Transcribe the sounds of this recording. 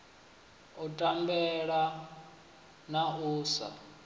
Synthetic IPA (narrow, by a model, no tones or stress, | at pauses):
utʼambɛɺa | nauːsa̰